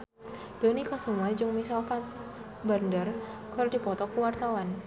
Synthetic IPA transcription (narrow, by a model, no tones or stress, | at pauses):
d̥onikasumuajd͡ʒʊŋmisalfans | bərndərkaɾdi̤pɔt̪ɔkuwart̪awan